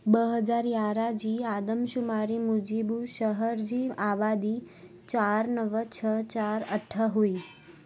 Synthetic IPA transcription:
bəɦəd͡ʒaɾjaɾad͡ʒiad̪əmʃumaɾimud͡ʒibuʃəɦəɾd͡ʒiaʋad̪i | t͡ʃaɾnəʋət͡ʃʰət͡ʃaɾəʈʰːəɦoi

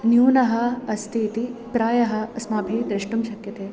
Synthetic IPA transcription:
njuːnɐɦɐɐst̪ʰiːt̪ipɾaːjɐɦɐɐsmaːbʱid̪ɾɪʂʈumʃɐkjɐt̪eː

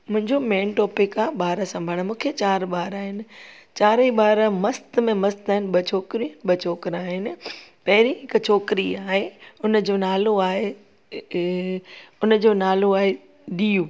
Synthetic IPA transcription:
mʊ̃ɦɪ̃ɲd͡ʑomeːnʈɔːpɪkaːɓaːɾəsɐ̃mbʱəɽ̃mũːkʰet͡ɕaːɾɓaːɾaːɦɪnɪ̆t͡ɕaːɾiɓaːɾəmɐst̪mẽmɐst̪aːɪnɪɓɐt͡ɕʰoːkɾiɓɐt͡ɕʰoːkɾaːɦɪnɪ̆pɐɦɪɾiɦɪkt͡ɕʰoːkɾiaːɦeʊnd͡ʑoːnaːloaːɦe | ʊnd͡ʑoːnaːloaːɦe | ɗijũː

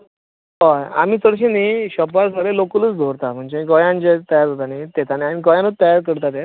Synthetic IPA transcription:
ɦɔa̰miːt͡səɽɕeniɕɔpʋaɾsaɾelokələt͡sd̪ʱoɾt̪am̤əɳd͡ʑeikɔjãnt͡ɕet̪əjaɾʱot̪anit̪et̪aneam̤iɡɔjãnət̪t̪ːəjaɾkəɾt̪at̪e

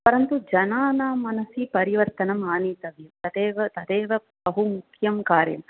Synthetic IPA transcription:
pɐɾɐnt̪ud͡ʒɐnaːnaːmɐnɐsipɐɾiʋɐɾt̪ɐnɐmaːniːt̪ɐʋjumt̪ɐd̪eːʋɐt̪ɐd̪eːʋɐ | bɐɦumukʰjɐmkaːɾjɐ̰m

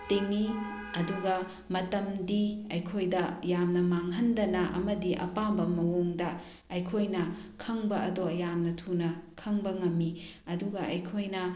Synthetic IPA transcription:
teŋːi | ɐduɡɐ | mɐtɐmdiɐjkʰojdɐjamnɐmaŋɦɐndɐnɐʔɐ̰mɐdiʔɐ̰pambɐmɐwoŋdɐ | ɐjkʰojnɐkʰɐŋbɐɐdojamnɐtʰunɐkʰɐŋbɐŋɐmːiɐduɡɐʔɐjkʰojnɐ

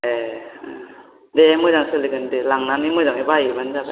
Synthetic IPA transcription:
e | demɯzaŋsɯliɡɯndelaŋnanimɔjzaŋibajibanzaba

